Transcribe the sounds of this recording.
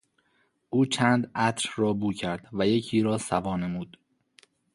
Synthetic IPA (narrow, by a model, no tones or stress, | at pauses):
ʔuːt͡ʃʰæːnd̪ʔæt̪ʰɾrɒːbuːcʰæɾd̪væjecʰiːɾɒːsævɒːne̞muːd̪̥